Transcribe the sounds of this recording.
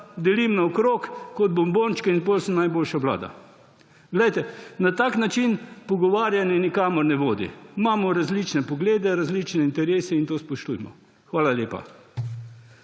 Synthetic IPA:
d̪ɛlimnaɔkɾokkɔd̪̚bɔmbont͡ʃkɛinpolsəmnajboːlʃaʋla̰ːd̪a̰ | ɡlɛjt̪ɛnat̪aːknat͡ʃinpɔɡɔʋaːɾjanjɛnikaːmɔɾnɛʋoːd̪ḭimaːmɔɾazlit͡ʃnɛpɔɡleːd̪ɛɾazlit͡ʃnɛint̪ɛɾeːsɛint̪oːspɔʃt̪ṵjmɔ̰ | xʋaːlalʲeːpa̰

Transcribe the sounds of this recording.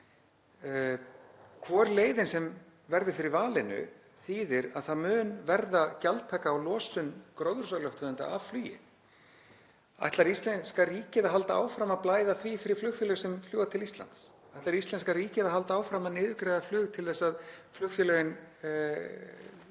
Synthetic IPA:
kʰvɔːɾleːjðɪnsɛm | vɛɾðʏfɪɾɪɾvaːlɪnʏ̰ | θiːðɪɾa̰ðθaðmʏːnvɛɾðacalt̪ʰːaːkaːwlɔːsʏnkɾowðʏɾ̥s̬aɣlɔwht̪ʰœðʏnt̪a̰avflyːjɪ̰ | a̰jht̪laɾist̪lɛnskariːcɪðaɦalt̪aa̰ːwfɾamaðplaːjðaθviːfɪɾɪɾ̥flʏxfjœlœsɛmfljuːwðat̪ʰɪlist̪la̰nt̪s | ajht̪laɾist̪lɛnskariːcɪðaɦalt̪aaːwfɾamaðnɪːðʏkɾajðaflʏːɣt̪ʰɪlθɛsːaðflʏxfjʏlœɣɪn

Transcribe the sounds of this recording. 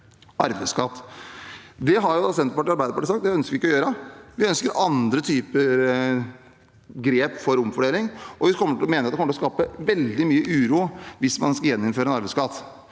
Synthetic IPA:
ɑɾbæɪskɑt̪ː | d̪ɛɦɑɾjʊɑsɛnt̪əpɑʈiːɑɾbæɪd̪əpɑʈiːsɑkt̪̚d̪ɛœnskəɾʋɪɪkːɔjøːɾəʋɪœnskəɾɑnd̪ɾət̪ʰyːpəɾ | ɡɾeːpfɔɾʊmfɔɖeːlɪŋʔɔʋɪkʰɔmːəʈʰɪlɔmeːnɾɑt̪ɛkɔmːəʈlɔkɑːpəʋɛld̪ɪmyːəʔʉːɾuːʋɪsmɑnskɑjɛnːʊmføːɾəɛnɑɾbæɪskɑt̪ː

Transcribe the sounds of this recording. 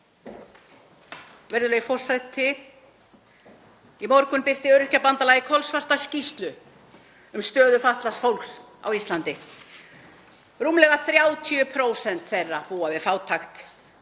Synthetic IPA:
vɛɾðʏlɛɣifɔr̥sat̪ʰɪ | imɔɾkʏnpɪr̥t̪ɪœɾʏhcapant̪alajðɪkʰɔlsvar̥t̪ascist̪lʏ | ʏmst̪œːðʏfaht̪lasfowlks | a̰wist̪lant̪ɪ | ruːmlɛɣaθɾjaːwt̪ʰiʏpʰɾoːwsɛnt̪θejrːapuːavɪðfaːwt̪ʰaxt̪

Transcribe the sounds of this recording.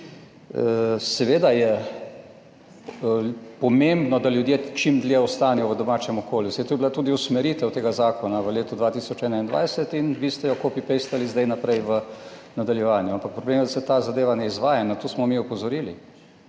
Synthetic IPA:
sɛʋeːd̪ajɛ | pɔmembnɔd̪aljud̪jet͡ʃimd̪lʲjɛɔst̪aːnɛjɔʋəd̪ɔmaːt͡ʃɛmɔkoːljusɛjt̪ojbilat̪uːd̪iusmɛɾit̪ɛwt̪eːɡazaːkɔnaʋəleːt̪ud̪ʋat̪iːsɔt͡ʃɛːnaind̪ʋa̰jsɛt̪inʋiːst̪ɛjɔkopipejst̪alizd̪ajnapɾɛjʋənad̪aljɛʋaːnjuampak̚pɾɔbleːmjɛd̪asɛt̪aːzad̪eːʋanɛizʋaːjanat̪oːsmɔmiupɔzɔɾiːli

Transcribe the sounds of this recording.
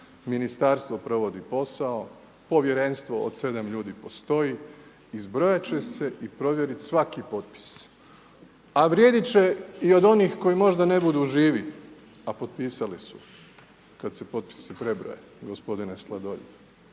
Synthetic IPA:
minist̪aɾst̪ʋo̞pɾo̞ʋo̞d̪ipo̞sao | po̞ʋje̞ɾe̞nst̪ʋo̞o̰d̪se̞d̪amʎuːd̪ipo̞st̪o̞ji | izbɾojat͡ɕe̞se̞ʔipɾo̞ʋjeɾit̪sʋakipo̞t̪̚pi̥s | aʋɾje̞d̪it͡ɕeio̞d̪o̞niːxko̞jimo̞ʒd̪ane̞bud̪uʒiːʋi | apo̞t̪piːsalisu̥ | kad̪sepo̞t̪̚pi̥sipɾe̞bɾo̰je | ɡospo̞d̪ineslˠad̪oʎi

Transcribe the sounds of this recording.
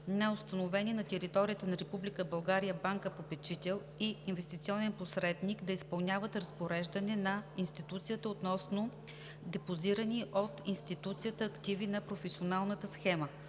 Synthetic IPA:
nɐost̪ɐnovɛniɛnɐt̪ɛɾit̪ɔɾijət̪ənɐɾɛpublʲikəbɐlˠɡaɾijəbaŋkəpopɛt͡ʃit̪ɛlˠ | iinvɛst̪it̪siɔnɛnposɾɛd̪nikd̪ɐispɐlˠnʲjavət̪ɾɐspoɾɛʒd̪ɐnɛnɐinst̪it̪ut̪sijət̪əot̪nɔsno | d̪ɛpoziɾəniʔot̪inst̪it̪ut̪sijət̪əːkt̪ivinɐpɾofɛsʲionalˠnət̪əsxɛmə

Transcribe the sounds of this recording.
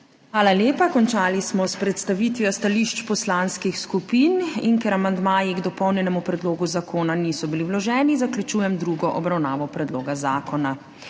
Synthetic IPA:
xʋaːlaljeːpakɔnt͡ʃaːlismɔspɾɛt̪st̪aʋit̪ʋjɔst̪aliʃt͡ʃpɔslanskixskupiːninkɛɾamand̪maːjiɡd̪ɔpɔwnjɛnɛmupɾɛd̪loːɡuzakoːnanisɔbiliwlɔʒɛːnizaklʲjut͡ʃuːjɛmd̪ɾuɡɔʔɔbɾawnaːʋɔpɾɛd̪loːɡazaːkɔna

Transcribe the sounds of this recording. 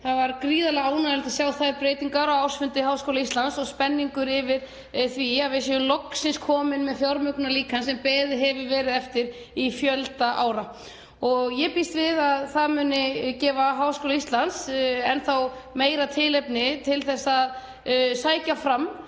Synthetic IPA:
θaðvaɾkɾiːðalɛɣaːwnalt̪asjaːwθaðɾpɾejt̪iŋkaɾɔwawr̥sfʏnt̪ɪɦaːwskowlaist̪lansɔɣspɛnːiŋkʏɾɪvɪɾ̥ | θviaðvɪsjɛʏlowksɪnskʰɔːmɪnmɛðfjaɾmʏknaliːkʰansɛmpɛːðɪɦɛvɪvɛːɾɪðɛft̪ɪɾ | ifjœlt̪aʔa̰ːwɾa | ɔɣjɛpist̪vɪðaðθaðmʏːnɪcɛːvaɦaːwskowlaist̪lansɛnθawmeːjɾat̪ʰɪːlɛpnɪt̪ʰɪlθɛsːað | saːjcafɾamː

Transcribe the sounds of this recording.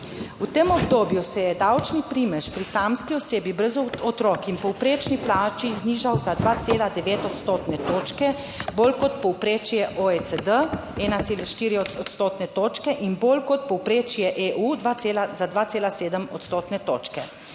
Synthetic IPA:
ut̪emɔbd̪oːbjusɛjɛd̪awt͡ʃnipɾiːmɛʃpɾisaːmskiɔseːbibɾəzɔt̪ɾɔːkinpɔwpɾeːt͡ʃniplaːt͡ʃizniːʒawzad̪ʋaːt̪seːlad̪ɛʋeːt̪ɔt̪st̪oːt̪nɛt̪oːt͡ʃkɛ | boːlkɔt̪pɔwpɾeːt͡ʃjɛʔoet̪səd̪əɛːnat̪seːlaʃt̪iːɾiɔɔt̪st̪oːt̪nɛt̪oːt͡ʃkɛʔinboːlkɔt̪̚pɔwpɾeːt͡ʃjɛʔeʔud̪ʋaelazad̪ʋaːt̪seːlaseːd̪əmɔt̪st̪oːt̪nɛt̪o̰ːt͡ʃkɛ

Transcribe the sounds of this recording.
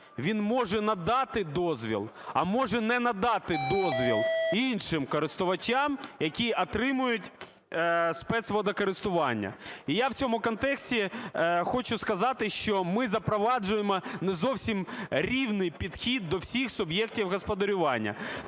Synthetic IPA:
ʋʲinmɔʒɛnɐd̪ɑt̪ɪd̪ɔzʋʲḭlˠɐ̰mɔʒɛnɛnɐd̪ɑt̪ɪd̪ɔzʋʲḭlˠinʃɪmkɔɾɪst̪ʊʋɐt͡ʃamjɐkʲiɐt̪ɾɪmʊjʊtʲ | spɛt̪sʋɔd̪ɐkɔɾɪst̪ʊʋɑnʲːɐ̰ijawt͡sʲɔmʊkɔnt̪ɛksʲtʲixɔt͡ʃʊskɐzɑt̪ɪʃt͡ʃɔmɪzɐpɾɔʋɑd͡ʒʊjemɔnɛzɔwsʲimɾʲiwnɪjpʲid̪xʲid̪ːɔwsʲixsʊbjɛktʲiwɦɔspɔd̪ɐɾʲʊʋɑnʲːɐ̰

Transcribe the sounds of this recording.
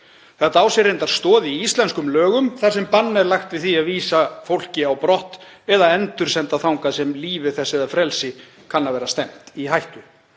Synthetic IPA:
θat̪aːwsɛɾent̪aɾ̥st̪ɔːðiist̪lɛnskʏmlœːɣʏmθḁsɛmpanːɛɾlaxt̪vɪðθiaðviːsafowl̥cɪawpɾɔht̪ɛðaɛnt̪ʏɾ̥sɛnt̪aθawŋkasɛmliːvɪθɛsɛðafɾɛlsɪ | kʰanːavɛːɾast̪ɛm̥t̪iɦajht̪ʏ

